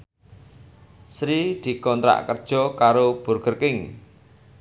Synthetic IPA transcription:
sɾid̪̥i̤kɔnt̪ɾa̰ʔkərd̥ʒ̥ɔ̤kaɾob̥ṳrɡ̥ərkɪŋ

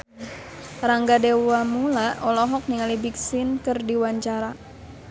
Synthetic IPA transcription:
raŋɡadewamulaʔɔlɔɦɔk̚niŋalibik̚sɪnkɨrdiwaɲt͡ʃaɾa

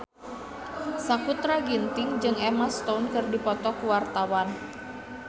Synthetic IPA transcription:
sakut̪ɾaɡint̪ɪŋd͡ʒɨŋɛmast̪ounkɨrdipɔt̪ɔkuwart̪awan

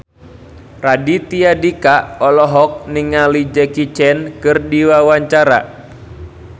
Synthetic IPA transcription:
radit̪iadikaɔlɔɦɔk̚niŋalid͡ʒɛkit͡ʃɛnkɨrdiwawaɲt͡ʃaɾa̰

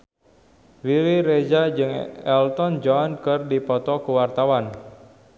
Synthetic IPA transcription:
wiɾiɾed͡ʒad͡ʒɨŋɛlt̪ɔnd͡ʒɔnkɨrdipɔt̪ɔkuwart̪awan

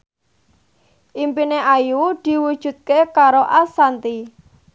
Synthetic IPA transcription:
ʔimpineʔajud̪̥i̤wud̥ʒ̥ṳt̪̚kekaɾoʔasant̪i

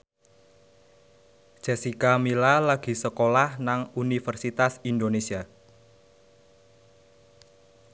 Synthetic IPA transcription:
d̥ʒ̥e̤sikamilalaɡ̥i̤səkolahnaŋunifərsit̪asind̪onesia

